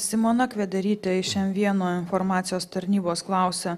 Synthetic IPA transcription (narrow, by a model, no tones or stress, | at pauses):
sʲɪmonɐkʋʲɛd̪ʲɐɾʲiːt̪ʲeɪʃʲɛmʋʲiɛnoːɪnfɔɾmɑːt̪sʲɪjoːst̪ɐɾʲnʲiːboːsklˠɑˑʊsʲɛ